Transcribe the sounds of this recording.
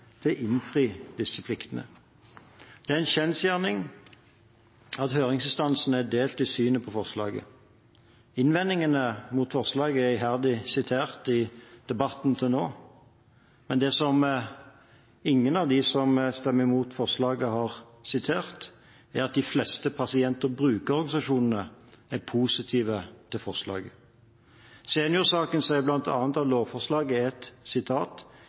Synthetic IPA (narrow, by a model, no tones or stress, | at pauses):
t̪ʰɪʔɪnfʁiːd̪̥ɪsːəpʰlɪkt̪ənə̰ | d̪̥ɛæɛnçɛnsjæːʁnɪŋ | ɑt̪høːʁɪŋsɪst̪ɑnsn̩æd̪eːlt̪ɪsyːnəpʰɔfɔʁslɑ̰ːɡə̰ | ɪnʋɛnːɪŋənəmut̪fɔʁslɑːɡəæɪhæʁd̪ɪsɪt̪ʰeːʁt̪ɪd̪̥ɛbɑt̪nt̪ʰɪlnoː | mɛnd̪ɛːsɔm | ɪŋːənɑʋd̪ɪsɔmst̪ɛmːəɾɪmuːt̪fɔʁslɑːɡəɦɑʁ | sɪt̪ʰeːʁt̪ | æɾɑt̪̚d̪ɪflɛst̪əpʰɑsɪɛnt̪əɾbɾʉːkəɾɔʁɡɑnɪsɑʂuːnən̩əæpʰuːsɪt̪ʰiːʋət̪ʰɪlfɔʁʂlɑ̰ːɡə | seːnɪʊsɑːkənsɛblɑnt̪ʰɑ̰ːnt̪ɑʋloːfɔʁslɑːɡəɛt̪sɪt̪ʰɑːt̪